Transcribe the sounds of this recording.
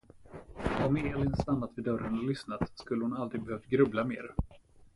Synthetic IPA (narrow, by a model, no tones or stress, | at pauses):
ɔmeːlɪnst̪anːat̪vɪːd̪œɾənɔlʏsnat̪skɵlːəhʊnald̪ɾɪɡ̚bɛhøːft̪̚ɡɾɵblameːɾ